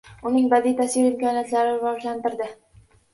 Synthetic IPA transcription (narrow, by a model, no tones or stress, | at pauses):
ʊnɪŋbad̪ijt̪ʰasiɾɪmkɒnijat̪laɾɪɾvɒʒlant̪ɪɾd̪ɪ